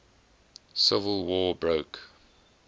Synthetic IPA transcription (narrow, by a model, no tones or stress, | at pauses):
sɪvəlˠwɔːbɹoʊk